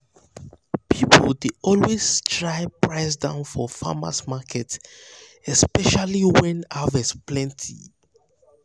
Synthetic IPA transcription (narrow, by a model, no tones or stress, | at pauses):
pʰipʰɔldeɔlwestʰɹaɪpɹaɪs̬dãʊ̃nfɔfa̰ma̰smakʰɛt | ɛspɛʃaliwɛ̃navɛsplɛ̃ntʰḭ